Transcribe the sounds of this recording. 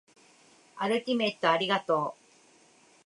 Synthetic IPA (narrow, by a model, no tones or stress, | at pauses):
aɾɯ̟t̪ʲimẽ̞t̪ːoaɾʲiɡat̪o̞ː